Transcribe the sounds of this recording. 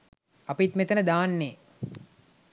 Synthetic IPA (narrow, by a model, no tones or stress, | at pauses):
ɐpit̪met̪ənəd̪aːnːeː